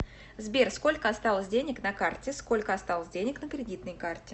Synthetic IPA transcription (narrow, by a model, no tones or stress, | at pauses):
zbʲersko̞lʲkəɐst̪alˠəsʲdʲenʲɪknɐkartʲɪsko̞lʲkəɐst̪alˠəsʲdʲenʲɪknəkɾʲɪdʲit̪nəjkartʲɪ